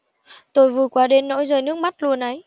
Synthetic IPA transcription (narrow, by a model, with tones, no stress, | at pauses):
t̪o˧jvɨ˨˩jkwaː˨˦ɗe˧˦nːo̰˧˥jzəː˨˩jnɨ˦˥ək̚ma˦˥t̚lu˧ənʔə˨˦j